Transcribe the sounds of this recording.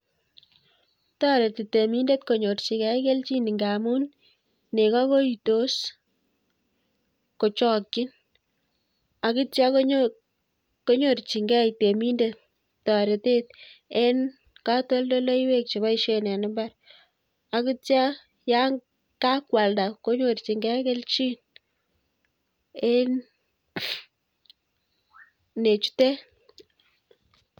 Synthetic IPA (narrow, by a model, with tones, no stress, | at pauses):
ta˦ɾe˨ti˨te˨mi˦nde˦tko˨ɲo˨rt͡ʃi˨kɛ˦ke˦lt͡ʃi˦ni˨ŋɡa˨mu˦n | ne˨ka˦ko˦i˨to˦s | ko˨t͡ʃɔ˦kːɪ˦n | a˨ki˦tja˦k | ko˦ɲo˨rt͡ʃi˨ŋɡɛ˦ite˨mi˦nde˦t̚ | ta˨ɾe˨te˦t̚e˦n | ka˦to˦ldo˦lo˦i˦we˦k̚t͡ʃi˨βa˦i˦ʃe˦na˨nɪ˦mba˦ɾ | a˨ki˦t͡ʃja˦ | ja˦ŋ | ka˦kwa˨lda˨ko˦ɲo˨rt͡ʃi˨ŋɡɛ˦ke˦lt͡ʃi˦n | e˦n | ne˨t͡ʃu̥˦te˦